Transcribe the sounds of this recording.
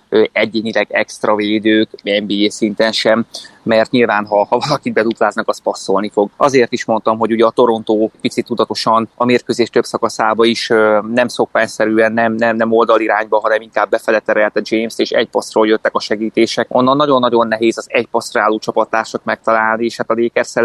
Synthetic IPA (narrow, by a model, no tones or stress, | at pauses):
øɛɟeːɲilɛɡɛkst̪rɒveːd̪øːkɛmbiːeːsint̪ɛnʃɛmːɛrt̪ɲilvaːnɦɒhɒvɒlɒkibɛt̪ut̪laːznɒkɒspɒsːolnifo̞ɡɒ̰zeːrt̪iʃmo̞nt̪ɒmɦo̞ɟuɟɛɒt̪o̞ɾo̞nt̪oːpit̪sit̪ːud̪ɒt̪o̞ʃɒnɒmeːrkøːzeːʃt̪ø̞bsɒkɒsaːbɒiʃnɛmso̞kpɛɲsɛɾyːɛnːɛmnɛmnɛmo̞ld̪ɒliɾaːɲbɒɦɒnɛmiŋkaːbːɛfɛlɛt̪ːɛɾɛlt̪ɛd͡ʒeːmst̪eːʃɛ̰cpɒsroːljøt̪ːɛkɒʃɛɡiːt̪eːʃɛkʔo̞nːɒnːɒɟo̞nːɒɟo̞nːɛɦeːzɒzɛcpɒsraːloːt͡ʃɒpɒt̪ːaːrʃɒkmɛk̚t̪ɒlaːlnieːʃhat̪ɒzeːkɛrsɛl